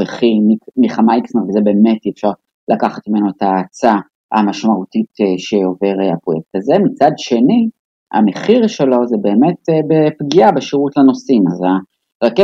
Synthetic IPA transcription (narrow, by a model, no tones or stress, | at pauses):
eχimikmiχamaiksneʁvezebe̞ːmetiefʃaʁ | lʔakaχat̪mime̞noetaːt͡sa | a̰maʃmautiteʃeo̞ve̞ʁeapʁo̞jek̚thazemit͡sadʃe̞ni | a̰meχiʁʃelo̞zebe̞ːmetebepɡiabeʃiʁutlano̞simaza | ʁake